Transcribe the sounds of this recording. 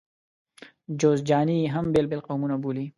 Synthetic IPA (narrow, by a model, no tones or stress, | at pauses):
d͡ʒoːzd͡ʒaːniɦɐmbeːlbelqowmunabuːli